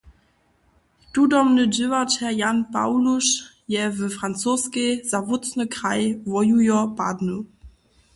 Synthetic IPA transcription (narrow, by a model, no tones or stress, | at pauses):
t̪udɔmnəd͡ʒɪvathɛjanpa̰wluʃ | jɛvɛfʁant͡soːskez̥avʊt͡snəkʁajvɔjujɔpa̰dnu